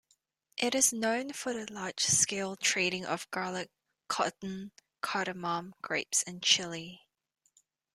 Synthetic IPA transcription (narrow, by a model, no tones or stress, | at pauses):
ʔɪɾɪznə̃ʊ̃nfəðəlɑ̥ːʒ̥skeɪlˠtʰɹ̥iːˑɾɪ̃ŋʔə̰vɡɑːləkʰː | ɒ̰ʔn̩ | kʰɑɾəmɑ̃mɡ̥ɹeɪpsə̃nt͡ʃʰɪli